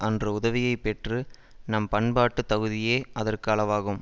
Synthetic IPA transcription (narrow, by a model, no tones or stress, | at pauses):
ʔɐndrɐʊðɐʋɪjɐɪpːɛʈrɯ | nɐmpɐɳbaːʈːɯt̪ːɐɣɯðɪjeːʔɐðɐrkɯɐlɐʋaːɣɯm